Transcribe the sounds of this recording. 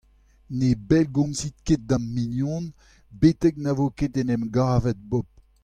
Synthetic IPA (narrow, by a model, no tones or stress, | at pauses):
nebɛlɡɔ̃msit̪̚ket̪̚d̪ãmminjɔ̃n | bet̪ɛk̚navoket̪enɛmɡaːvɛt̪̚bɔp̚